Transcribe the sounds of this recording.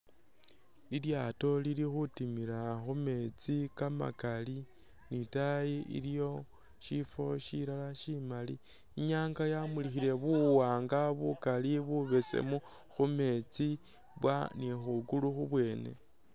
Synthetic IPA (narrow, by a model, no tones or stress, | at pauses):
liljato̞lilixutimiɾaxume̞t͡sikama̰kali | nitajiḭljo̞ | ʃifo̞ʃiɾalaʃimalḭ | iɲaːŋɡajamulixiɾe̞βuwaːŋɡaβukaliβuβesḛmu | xume̞t͡si | βwa̰nixuɡuluxuβwe̞ːne̞̰